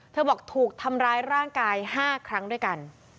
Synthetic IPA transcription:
t̪ʰɤː˧˩bɔː˨˩k̚t̪ʰuː˨˩k̚t̪ʰa˧mɾaː˦˥jɾaː˥˩ŋkaː˧jhaː˥˩kʰɾa˦˥ŋdu˥˩əjka˧n

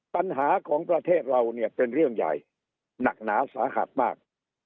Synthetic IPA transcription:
pa˧nɦaː˩˦kʰɔː˩˦ŋpɾa˧t̪ʰeː˥˩t̪̚ɾa˧wni˥˩əpe˧nɾɯ˥˩əŋja̰˨˩j | na˨˩k̚naː˩˦saː˨˩˦ha̰˨˩t̪̚maː˥˩k̚

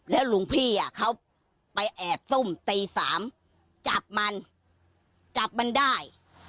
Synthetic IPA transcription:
lɛː˦˥wlu˨˩˦ŋpʰiː˥˩ʔa˨˩kʰa˦˥w | pa˧jʔɛː˨˩p̚su˥˩mt̪iː˧saː˩˦m | t͡ɕa˨˩p̚ma˧n | t͡ɕa˨˩p̚ma˧ndaː˥˩j

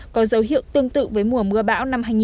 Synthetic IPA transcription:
kɔ˨˦zə˨˦wɦḭ˧˨əwt̪ɨ˧əŋt̪ɨ̰˧˨vəː˨˦jmu˨˩əmɨ˧əɓa̰ː˧˥wna˧mɦaː˧jŋi˨

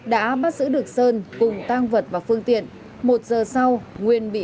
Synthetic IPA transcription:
ɗa̰ː˧˥ɓaː˦˥t̚zɨ̰˧˥ɗɨ˨˩ək̚səː˧nkʊ˨˩ŋ͡mt̪aː˧ŋvə˨˩t̚vaː˨˩fɨ˧əŋt̪ḭ˧˨ən | mo˨˩t̚zəː˨˩sa˧wŋwi˨˩ənɓḭ˧˨

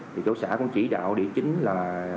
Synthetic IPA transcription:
t̪ʰi˨˩t͡ɕo˧˦wsa̰ː˧˩kʊ̰˧˥ŋ͡mt͡ɕi˧˩ɗa̰ː˧˨wɗi˧˩ət͡ɕï˨˦ŋ̟laː˨˩

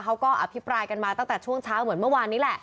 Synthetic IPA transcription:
kʰa˦˥wkɔː˥˩ʔa˧pʰi˦˥pɾaː˧jka˧nmaː˧t̪a˥˩ŋt̪ɛː˨˩t͡ɕʰu˥˩əŋt͡ɕʰaː˦˥wmɯ˩˦ənmɯ˥˩waː˧nːiː˦˥lɛ˨˩ʔ

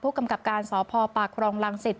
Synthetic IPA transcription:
pʰuː˥˩ka˧mka˨˩p̚kaː˧nsɔː˩˦pʰɔː˧paː˨˩kʰɾɔː˧ŋla˧ŋsi˨˩t̪̚

